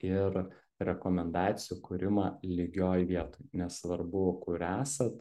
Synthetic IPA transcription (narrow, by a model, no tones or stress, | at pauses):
ɪɾ | ɾʲɛkoːmʲɛnd̪ɑːt̪sʲɪjukʊɾʲɪmɑːlʲiɡʲoːjʋʲiɛt̪oːjjnʲɛsʋɐɾbʊkʊɾæːsɐt̪